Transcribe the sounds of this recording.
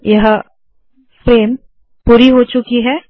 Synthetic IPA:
jɐɦ | fɾeːm | puːɾiɦoːt͡ʃʊkiɦɛː

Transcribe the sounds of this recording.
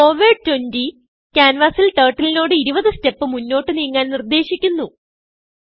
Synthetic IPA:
ko̞ːʋiːɖ̚twendi | kʲaːnʋaːsilteːʈːilino̞ːɽɨiɾubɐðɨste̞pːɨmunːo̞ːʈːɨniːŋːaːnnird̪e̞ːɕikʲːunːu

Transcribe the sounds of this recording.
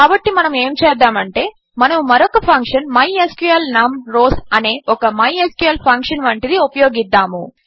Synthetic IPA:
kaːbɐʈːimɐnɐme̞ːmt͡ʃɛːd̪ːaːmɐɳʈe̞ː | mɐnɐmumɐɾɔkɐpʰɐŋkʂɐnmɐjeskuɐlnaːmɾo̞ːsɐne̞ːʔɔkɐmɐjeskjuɐlpʰɐŋkʂɐnʋɐɳʈid̪iupɐjoːɡid̪ːaːmṵ

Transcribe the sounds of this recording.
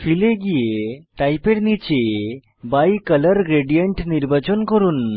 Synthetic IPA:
fʰileɡijeʈajpeɽnit͡ʃe | bajkələɾɡɾeɖijəɳʈniɾbat͡ɕɔnkɔɾun

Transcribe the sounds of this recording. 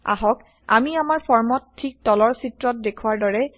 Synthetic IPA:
a̰ɦɔk | a̰miamaɹpʰɔɹmɔttʰːik̚tɔlɔɹsitɹɔt̚dekʰuwaɹdɔɹɛ

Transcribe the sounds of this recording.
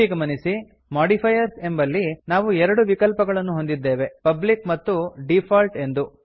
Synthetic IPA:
iɡɐmɐnisi | maːɖipʰɐjɐɾse̞mbɐlːinaːʋuɛɾɐɽuʋikɐlpɐɡɐɭɐnːuɦo̞nd̪id̪ːe̞ːʋe̞pɐblikmɐt̪ːuɖipʰaːlʈe̞nd̪u

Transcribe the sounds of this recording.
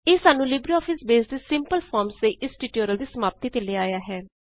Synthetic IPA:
eːsaːnũːlɪbɾiːɔːpʰɪsbeːsd̪eːsɪmpəlpʰɔːɾmsd̪eːʔɪsʈiːʈoːɾəld̪iːsəmaːp̚t̪iːt̪eːleːaːjaːɦɛː

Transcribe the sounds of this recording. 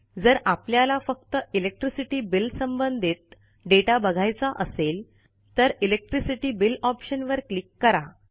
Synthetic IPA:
d͡zəɾapljalafək̚t̪əilek̚ʈɾisiʈiːbilsəmbənd̪ʱit̪̚ | ɖeʈabəɡʱajt͡saʔəsel | t̪əɾilek̚ʈɾisiʈiːbilɔpɕənʋəɾklikːəɾa

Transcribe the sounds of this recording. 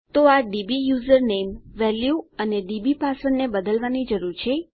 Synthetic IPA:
t̪oaɖibijuzəɾnemʋɛljuəneɖibipasəɳnebəd̪əlʋanid͡ʒəɾuɾt͡ʃʰe

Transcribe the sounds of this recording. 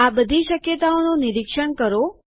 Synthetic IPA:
abəd̪ʱiʃəkjət̪aononɪɾɪkʃəɳkəɾo

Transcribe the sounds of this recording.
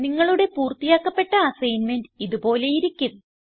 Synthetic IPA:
niŋːɐɭuɽe̞puːrt̪ijaːkːɐpːe̞ʈːɐɐsɐjnme̞nɖiðubo̞ːle̞jiɾikʲːumː

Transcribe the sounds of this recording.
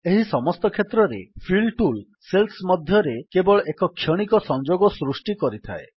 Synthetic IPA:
eɦisɔmɔst̪ɔkʰet̪ɾɔɾḛpʰilʈul | selsmɔd̪ʱjɔɾekebɔɭɔʔekɔkʰːjɔɽ̃ikɔsɔŋd͡ʒoɡɔsɾusʈikɔɾit̪ʰa̰e

